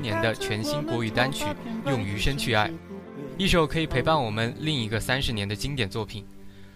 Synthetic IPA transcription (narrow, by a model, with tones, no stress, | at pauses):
njɛ˧˥nd̪ə˧t͡ɕʰɥɛ˧˥nɕi˥nkwɔ˧˥y˨˩t̪a˥nt͡ɕʰy˨˩˦jʊ˥˧ŋy˧˥ʂə˥nt͡ɕʰy˥˧a˥˩ɪi˥˩ʂo˥˩ʊkʰɤ˧˥i˨˩pʰe˧˥ɪpa˥˩nwɔ˨˩mə˦nli˥˩ŋi˧˥ɡə˧sa˥nʂɻ̩˧˥njɛ˧˥nd̪ə˧t͡ɕi˥ŋt̪jɛ˨˩nt͡swɔ˥˩pʰi˨˩n